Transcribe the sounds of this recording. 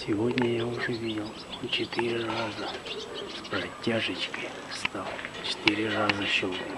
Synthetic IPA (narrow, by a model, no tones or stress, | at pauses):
sʲɪvodʲnʲəjauʐɛvʲidʲɪlˠ | ont͡ʃɪt̪ɨɾʲɪrazəsprɐtʲːaʐɨt͡ʃkəj | st̪alˠt͡ʃɪ̥t̪ɨɾʲɪrazəʃol